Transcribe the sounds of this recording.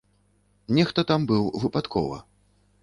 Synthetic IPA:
nʲɛxt̪ɐt̪ambɨwvɨpat̪kʰɔ̰vɐ̰

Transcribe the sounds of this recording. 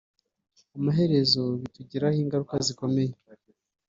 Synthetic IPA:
amaɦe̞ɾe̞zo̞βituɟiɾahiːŋɡaɾukaziko̞me̞je

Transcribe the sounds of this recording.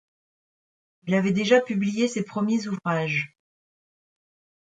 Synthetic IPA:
ilavɛd̪eʒapyblijesepχəmjezuvʁaʒ

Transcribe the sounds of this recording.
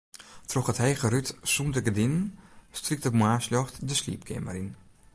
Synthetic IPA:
trɔxəthɛjɣəɾytsundəɡədɪnnstrik̚təmwaːslɔxtdəslḭːp̚kʰɛ̰mə̰ɾin

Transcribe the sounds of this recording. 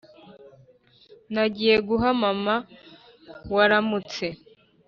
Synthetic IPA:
naɟijeɡuɦamama | waɾamut͡se̞

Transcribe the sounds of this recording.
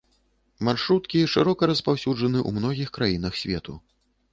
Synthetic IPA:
marʂɾut̪kʲiʂɨɾɔkɐɾɐspawsʲud͡ʐɐnɨʔṵmnɔɣʲixkɾajinɐxsʲvʲɛ̰t̪u

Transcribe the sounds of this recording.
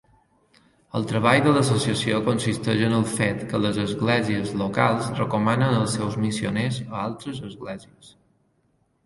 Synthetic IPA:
əlˠt̪ɾəβ̞aʎðələs̬osiəsiokonsist̪əʒənəlˠfet̪kələzəzɣlɛziəzlokalˠzrəkomanənəlˠsɛwzmisio̰nezəalˠt̪ɾəzəzɣlɛziəs

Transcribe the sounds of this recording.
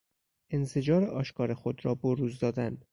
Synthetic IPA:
ʔe̞nse̞d͡ʒɒːɾeʔɒːʃkʰɒːɾexod̪ɾɒːboɾuːzd̪ɒːd̪æn

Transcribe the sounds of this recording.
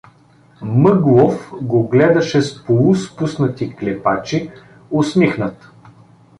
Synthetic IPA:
mɤɡlˠofɡoɡlɛd̪ɐʃɛspolˠuspusnət̪iklɛpat͡ʃi | osmixnət̪

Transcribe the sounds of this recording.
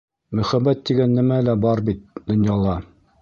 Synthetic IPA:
mɵ̆χæbːæt̪ːiɡænːɘ̆mælæbɑɾbit̪̚d̪ŏnjɑlˠɑ

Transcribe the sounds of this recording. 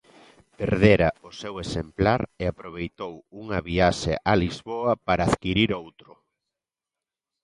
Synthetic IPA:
peɾðeɾɐosewesemplaɾeapɾoβ̞ejt̪owuŋɐβiaʃḛʔalizβoɐpaɾaːðkiɾiɾowt̪ɾʊ

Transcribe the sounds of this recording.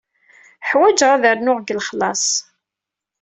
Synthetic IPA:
ħwæd͡ʒʁæðəɾnʊʁɡəlχlɑsˤ

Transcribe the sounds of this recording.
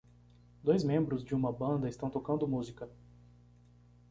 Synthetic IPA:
d̪ojzmẽmbɾʊzd͡ʒɪũmɐbɐ̃nd̪ɐɪst̪ɐ̃w̃t̪okɐ̃nd̪ʊmuzikɐ

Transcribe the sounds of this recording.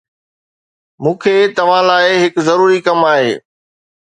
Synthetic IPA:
mũːkʰeːt̪ɐʋ̤ãlaːɪɦɪkzɐɾuːɾikɐmaːɦeː

